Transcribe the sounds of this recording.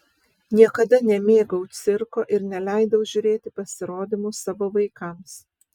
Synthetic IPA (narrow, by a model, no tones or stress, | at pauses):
nʲiɛkɐd̪ɐnʲɛmʲeːɡɐʊt̪sʲɪɾkoːʔɪɾnʲɛlʲæˑɪd̪ɐʊʒʲʊɾʲeːt̪ʲɪpɐsʲɪɾoːd̪ʲɪmusɑːʋoːʋɐɪkɐms